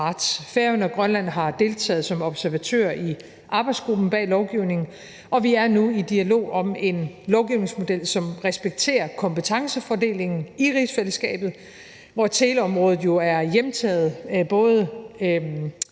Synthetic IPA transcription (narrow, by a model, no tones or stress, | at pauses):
ɑ̈d̥sfeɐənɒɡ̥ʁɶnlæn̰ɦɑ̈d̥e̝lt͡sʰɛ̰ːð̩ˠsɒ̽mɒ̽b̥sæɐʋæt͡sʰø̰ːɐi | ʔɑ̈ːb̥ɑ̈ɪd̥sɡ̥ʁub̥n̩b̥ɛ̰ːlɒʊɡ̥iʊne̝ŋn̩ | ɒ̽ʋiæɐnuid̥iælo̝̰ːɒ̽me̝nlɒʊɡ̥iʊne̝ŋsmo̝d̥el̰sɒ̽mʁɛsb̥eɡ̥̚t͡sʰe̝̰ːɐkʰɒ̽mpət͡sʰɑ̈ŋsəfɒde̝̰ːle̝ŋn̩iʁid̥sfeləsɡ̥ɛ̰ːb̥ð̞̩ˠ | ʋɒt͡sʰe̝ːləɒ̽mʁɔ̽ːð̩ˠjo̝æɐjemt͡sʰɛ̰ːð̞̩ˠb̥ɔ̽ːð̞ˠə